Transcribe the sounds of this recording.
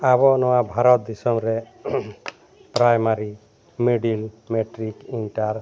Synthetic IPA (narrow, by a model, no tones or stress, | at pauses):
aβɔnɔwabʱaɾɔt̪̚d̪isɔmɾe | pɾajmaɾi | meɖil | meʈɾikinʈaɾ